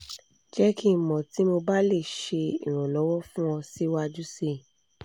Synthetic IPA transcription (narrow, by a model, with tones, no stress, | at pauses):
d͡ʒɛ˦ki˦˨mɔ̃˨ti˨˦mo˧ba˦le˦˨ʃe˧ḭ˨ɾ̃ɔ̃˨lɔ˨˦wɔ˦fũ˦ɔ̃˧si˦wa˦d͡ʒu˦se˦˨